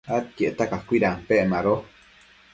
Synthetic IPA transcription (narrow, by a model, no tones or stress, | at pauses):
at̪̚keʔt̪akakʷiɾampeʔmaɾo